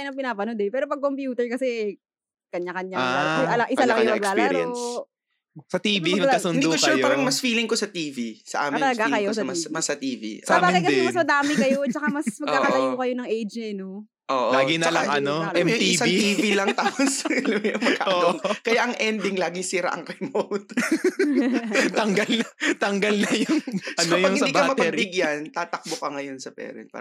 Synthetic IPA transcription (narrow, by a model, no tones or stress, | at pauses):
ajnɐpɪnaːpɐnod̪ɛpɛːɾopɐɡ̚kompjuːt̪ɛɹkɐsɛɛ | kɐɲakɐɲaʔɐlɐʔɪsalɐkɐjomɐɡlaːl̰ɾ̰ns | sɐt̪iːviɐɐsʊɪnd̪ukoʃupaːɾɐŋmɐsfiːlɪŋkosɐt̪iːvisɐ̰ʔa̰ːmɪt̪ɐlɐɡakɐjosmɐsmɐsɐt̪iːvḭɐabaːɡɪkɐɛɛmɐsmɐd̪aːmɪkɐjot͡ʃɐkamɐsmɐɡkaːkɐt̪ɐjokɐjonɐŋʔejd͡ʒɛno | ʔoʔlaːɡinlaɡɐojʊŋɪsaŋiːvilɐŋt̪aːposljʊŋmɐkʰːa̰ʔɐokɐjaʔɐŋʔɛnd̪ɪŋlaːɡɪŋsiːɾa̰ʔɐ̰ŋkɐɐmowt̪ | t̪ɐŋɡɐlnɐt̪ɐŋɡɐlnɐjʊŋt͡ʃɐɐjpɐhndd̪ikɐmɐpɐbɪɡjɐnt̪aːt̪ɐk̚bokɐŋɐjonsɐpɛ̰ːɾɛ̰nt̪̚pa̰ɾ